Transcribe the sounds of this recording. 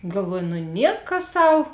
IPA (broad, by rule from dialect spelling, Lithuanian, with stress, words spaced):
ɡɐlˠˈʋuɔjʊ nʊ ˈnʲiɛkɐ ˈsɐʊ